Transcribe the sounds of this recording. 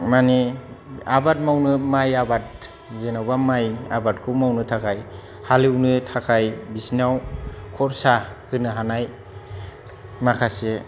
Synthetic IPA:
mani | abat̚mawnɯmajabat̚ | zenawbamaja̰bat̚kʰuwmawnɯtʰakʰaj | haliwnɯtʰakʰajbisnawkʰɔɾsahɯnɯɦanaj | makʰase

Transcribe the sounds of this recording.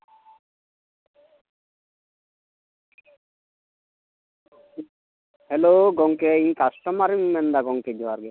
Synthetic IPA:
heloɡɔŋkeikasʈɔmaɾimmɛnd̪aɡɔŋked͡ʒiwaɾɡe

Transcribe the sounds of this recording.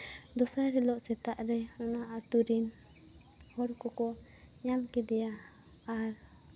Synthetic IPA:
d̪ɔsaɾɛlɔʔsɛt̪aʔɾɛɔnaat̪uɾin | hɔɾkɔkɔ | ɲamkɛd̪ɛjaː | ɾ

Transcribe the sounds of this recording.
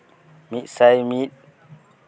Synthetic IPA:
miʔ̚sajmit̪̚

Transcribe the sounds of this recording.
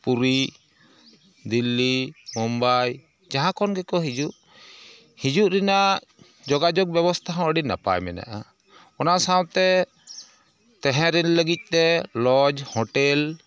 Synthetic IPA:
puɾi | d̪ilːimɔmbaj | d͡ʒaɦãkɔnɡɛkɔɦid͡ʒuʔ | hid͡ʒuʔɾina | d͡ʒɔɡad͡ʒɔk̚bjɛbɔst̪ʰaɦɔ̃əɖinːa̰pa̰jmɛ̰na̰ʔa | ɔnasawt̪ɛ | t̪ɛ̃ɦɛ̃ɾɛnləɡit̪̚ˀt̪ɛlɔd͡ʒhɔʈɛl

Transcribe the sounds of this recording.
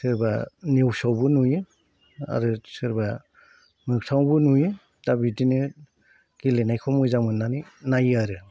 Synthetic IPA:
sɯɾba̰niwsawbɯnujɯ | a̰ɾɯsɯɾba | mɯk̚tʰawbɯnuj | d̥abidinɯ | ɡ̥ilenajkʰɔmɯzamɯnːaninajaɾɯ

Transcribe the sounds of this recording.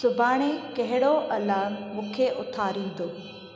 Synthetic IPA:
sʊbaːɽ̃ekɐɦɪɽoʔɐlamũːkʰeʔʊt̪ʰaːɾĩːnd̪oː

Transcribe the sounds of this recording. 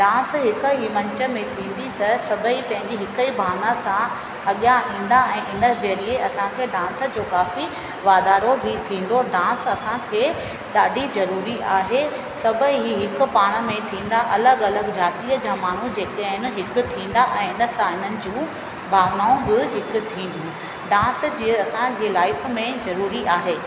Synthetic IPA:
ɖãːsɦɪkəɦimɐ̃ɲt͡ɕə̆mẽt̪ʰĩːn̆d̪it̪ɐsɐbʱəipɐ̃ɦɪ̃ɲd͡ʑiɦɪkəibʱaːʋnasã | ɐɠijãʔĩːn̆d̪aɛ̃ːʔɪnəd͡ʑeːlɪeɐsãkʰeːɖãːnsə̆d͡ʑoːkaːfi | ʋaːd̪aːɾobit̪ʰĩːn̆d̪oɖãːnsɐsãkʰeː | ɗaːɖʱizɐɾuːɾiʔaːɦe | sɐbʱəɦɦiɦɪkʊ̆paːɽ̃mẽt̪ʰĩːn̆d̪aʔɐləɡɐləɡd͡ʑaːt̪iəd͡ʑaːmaːɳ̤ud͡ʑeːkəɪnɪ̆ɦɪkʊ̆t̪ʰĩːn̆d̪aʔɛ̃ːɪnə̆sãɦɪn̤ənɪ̆d͡ʑũː | bʱaːʋnaːũbɪɦɪkʊ̆t̪ʰĩːn̆d̪ijũ | ɖãːsd͡ʑiːɐsãd͡ʑeːlaːɪfmẽzɐɾuːɾiʔaːɦeː

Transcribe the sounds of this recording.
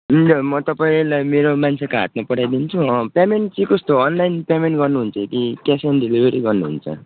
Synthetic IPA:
ɦind͡zʌmʌt̪ʌpaĩlajmeɾomant͡sʰekaɦa̰t̪̚mapʌɽajd̪int͡sʰuʌpjameɳʈt͡sʌĩkʌst̪oʌnlajnpjameɳʈɡʌrnuɦunt͡sʰʌekikasanɖilibʱeɾiɡʌrnuɦṵnt͡sʰʌ̰

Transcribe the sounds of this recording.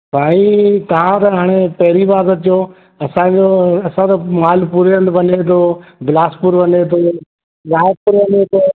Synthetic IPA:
paːɽ̃it̪ɐʋ̤ãt̪ɐɦaːɽ̃epɐɦɪɾiʋaːzət̪joː | ɐsãd͡ʑoːɐsãt̪ɐmaːlpuɾjənd̪ʋɐnet̪ʰoːblaːspʊɾʋɐnet̪ʰoː | zaːɪb̚pʊɾʋɐnet̪ʰoː

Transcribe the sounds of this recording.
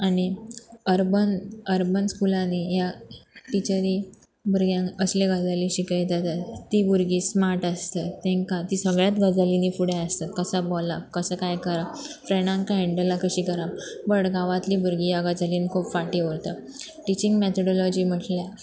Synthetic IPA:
aniəɾbənəɾbənskulãnijaʈit͡ɕəɾi | buɾɡjãŋəsleɡəd͡zaliɕikajd̪at̪at̪t̪ːiːbuɾɡiːsmaɾʈast̪et̪ɛ̃ŋkat̪isəɡɭjat̪ɡəd͡zalinifuɽjaəst̪at̪̚kəsabɔlakəsəkajkəɾafɾeɳ̃ãŋkaɦeɳɖəlakəɕiːkəɾabəɽɡaʋat̪liːbuɾɡiːjaɡəd͡zaliːnikʰuːpfaʈiʋəɾt̪a | ʈit͡ɕĩŋɡmet̪ʰɔɽɔlɔd͡ʑiːm̤əʈlja

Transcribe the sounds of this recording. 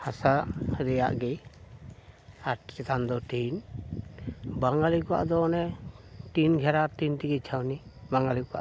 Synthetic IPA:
hasaʔɾɛja̰ʔɡɛ | aʈt͡ʃɛt̪and̪ɔʈin | baŋɡalikɔa̰ʔd̪ɔnɛʈinɡʱɛɾatint̪iɡit͡ʃʰawnibaŋɡalikɔwa̰ʔ

